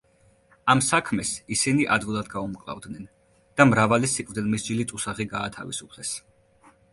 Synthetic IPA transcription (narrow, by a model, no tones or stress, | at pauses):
amsakʰmɛsisiniʔad̪vulˠad̪ɡaumkʼlˠa̰vd̪nɛn | d̪̥amɾavalisikʼvd̪ilˠmisd͡ʒilit̪sʼusaʁiɡaːt̪ʰavḭsupʰlɛs